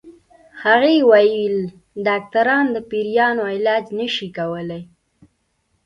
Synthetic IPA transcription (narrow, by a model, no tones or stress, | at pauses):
haɣewajəl | ɖɑk̚t̪aɾɑnd̪əpiɾijɑnoɪlɑd͡ʒnəʃikawəlaj